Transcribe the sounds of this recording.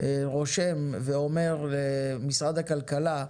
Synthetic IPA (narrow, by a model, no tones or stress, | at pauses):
ʁoʃemveome̞ʁlemisʁad̪hakalkala